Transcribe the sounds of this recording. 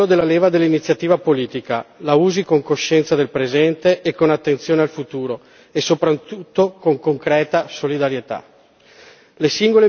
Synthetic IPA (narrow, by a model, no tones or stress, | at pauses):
od̪elːaleːvad̪elːinit̪sːjat̪iːvapoliːt̪ika̰lauːzikoŋkoʃːɛnt̪sad̪elpɾezɛnt̪eʔːkːonat̪ːent̪sjoːnealfut̪uːɾo | esopɾat̪ut̪ːokoŋkoŋkɾɛːt̪asolid̪aɾjet̪a̰ | lesiŋɡole